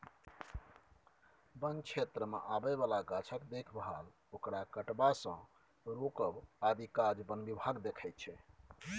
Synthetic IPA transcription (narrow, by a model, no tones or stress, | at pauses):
bənt͡ʃʰet̪ɾəmḛʔabɛbalaɡat͡ʃʰəkd̪ekʰbɦal | okɾakəʈbasə̃ | ɾokəbad̪ikad͡ʒbənbibʱaɡd̪ekʰɛjt̪̚t͡ʃʰɛ